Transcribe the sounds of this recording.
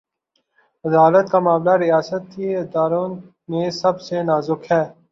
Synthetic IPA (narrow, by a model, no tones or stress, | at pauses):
ɐd̪aːlət̪̚kamaːmlaɾɪjaːsət̪iɪd̪aːɾõː | mẽsɐbsenaːzʊkhɛː